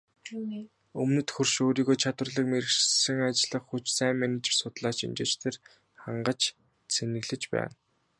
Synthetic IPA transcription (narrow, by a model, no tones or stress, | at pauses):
ɵmnɘ̆t̪xɵrʃoːɾiːɣoːt͡ɕʰat̪wə̆rɮə̆kmeɾɘ̆xʃsɘ̆ŋat͡ɕɮə̆χxut͡ɕsæːŋmænet͡ɕ̆rsʊt̪ɮaːt͡ɕḭmt͡ɕeːt͡ɕt̪ʰer | χaɴɢə̆t͡ɕ | t͡sʰenɘ̆ɣɮɘ̆t͡ɕpæ̰ːn